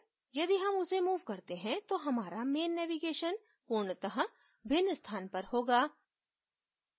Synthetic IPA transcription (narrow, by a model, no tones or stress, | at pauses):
jɐd̪iɦɐmʊsemuːʋkɐɾt̪eɦɛ̃t̪oɦɐmaːɾameːnːɛʋiɡeːʃən | koːɳt̪ɐɦã | bʱɪnːəst̪ʰaːnpɐɾhoːɡaː